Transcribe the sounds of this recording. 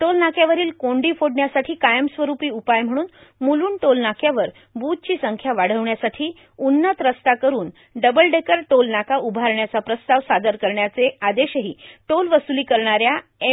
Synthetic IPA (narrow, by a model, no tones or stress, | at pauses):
ʈolnakjaʋəɾiːlkoɳɖiːfoɽɳjasaʈʰiːkajəmsʋəɾupiːupajm̤əɽ̃uːnmuluːɳʈolnakʰjaʋəɾ | but̪̚t͡ɕiːsəŋkʰjaʋaɽ̤əʋɳjasaʈʰiː | unːət̪ɾəst̪akəɾuːn | ɖəbəlɖekəɾʈolnakaubʱaɾɳjat͡sapɾəst̪aʋsad̪əɾkəɾɳjat͡sead̪eɕəɦiːʈolʋəsuliːkəɾɳaɾjae